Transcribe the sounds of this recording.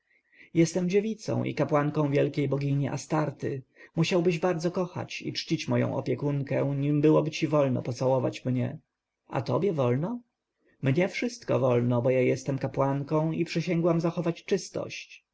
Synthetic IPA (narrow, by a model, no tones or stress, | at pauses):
jɛst̪ɛmd͡ʑevʲit̪sɔ̰̃w̃ʔḭkapwaŋkɔ̃w̃vʲjɛlkʲejbɔɡʲiɲiʔa̰st̪aɾt̪ɘmuɕawbɘʑbaɾd̪zɔkɔxa̰t͡ɕḭt͡ʂt͡ɕit͡ɕmɔjɔ̰̃w̃ʔɔ̰pʲjɛkuŋkɛ̃ɲimbɘwɔbɘt͡ɕivɔlnɔ̰pɔt̪sawɔvat͡ɕmɲɛ̰ | a̰t̪ɔ̰bʲjɛvɔlnɔ | mɲɛfʂɘst̪kɔ̰vɔlnɔbɔjajɛst̪ɛmkapwaŋkɔ̃w̃ipʂɛɕɛŋɡwamzaxɔvat͡ɕt͡ʂɘst̪ɔ̰ɕt͡ɕ